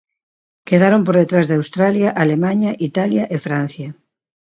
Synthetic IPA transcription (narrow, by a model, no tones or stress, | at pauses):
keðaɾompoɾðet̪ɾazðawst̪ɾaljaʔalemãɲaʔit̪aljaʔefɾãn̟θjɐ